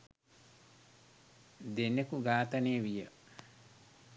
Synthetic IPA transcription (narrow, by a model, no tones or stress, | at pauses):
d̪enːekuɡaːt̪ɐneːʋijə